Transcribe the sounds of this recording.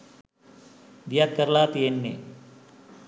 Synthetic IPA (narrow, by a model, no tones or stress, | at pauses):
d̪ijat̪̚kəɾlaːt̪ienːḛ